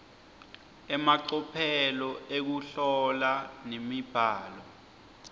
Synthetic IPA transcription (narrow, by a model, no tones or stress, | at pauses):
ɛmaǀɔpʰɛlɔek̬uɬɔlanemib̥ʱaːlɔ